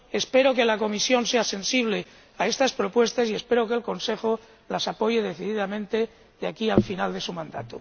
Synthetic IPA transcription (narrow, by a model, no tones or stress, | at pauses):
e̞spe̞ɾo̞ke̞lako̞misjo̞nse̞ase̞nsiβle̞ | ae̞st̪aspɾo̞pwe̞st̪asie̞spe̞ɾokelko̞nsexo | lasapo̞ʝeð̞e̞θiðiðamẽ̞nt̪e | ðeakialfinald̪e̞sumãnd̪a̰t̪o